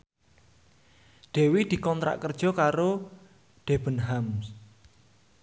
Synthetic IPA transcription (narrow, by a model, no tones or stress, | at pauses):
ɖ̪̥e̤wid̪̥i̤kɔnt̪ɾa̰ʔkərd̥ʒ̥ɔ̤kaɾo | ɖ̪̥e̤b̥ə̤nɦams